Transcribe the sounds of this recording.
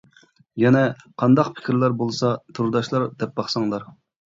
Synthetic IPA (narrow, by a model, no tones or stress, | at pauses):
jɛnɛqʰɑnd̪ɑqpʰɪ̥kʲʰɾlæɾbolˠsɑt̪ʰuɾd̪ɑʃlˠɑɾd̪ɛp̚bɑχsɑŋlˠɑɾ